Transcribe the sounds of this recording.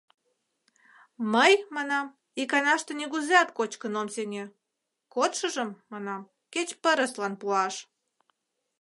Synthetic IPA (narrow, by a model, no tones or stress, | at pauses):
məjmɑnɑm | ikɑnɑʃt̪eneɣuzeɑt̪kot͡ɕkənomseŋʲe | kot̪ʃəʒəmːɑnɑm | ket͡ɕpəɾəslɑnpuɑʃ